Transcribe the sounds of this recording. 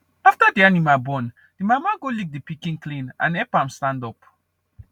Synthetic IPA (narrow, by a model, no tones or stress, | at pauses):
aftadianimabɔ̃n | d̥imamaɡolik̚dipikĩnklĩnã̰nɛpãmstãndɔp